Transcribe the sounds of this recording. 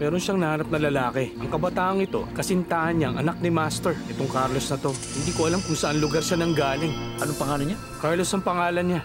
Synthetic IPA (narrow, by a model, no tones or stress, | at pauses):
mɛːɾo̞nʃaŋnɐhaːɾɐp̚nɐlɐlaːkɛʔɐŋkɐbɐt̪aːʔɐŋɪt̪o̞̰kɐsɪnt̪aːhɐnɲaɐŋʔɐ̰nak̚nɪmast̪ɛɹʔɛt̪oŋkaɾlo̞snɐt̪o̞hɪnd̪iːkoʔɐlamkʊŋsɐʔanlʊɡaɾʃanɐŋɡaːlɪŋʔɐnoŋpɐŋaːloɲa | kaɹlo̞sɐŋpɐŋaːlɐnɲa